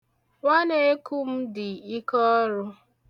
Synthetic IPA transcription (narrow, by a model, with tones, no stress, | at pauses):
wa˦ne˦e˦ku˦m̩˦dɪ˨i˦kɔ˦ɾʊ˦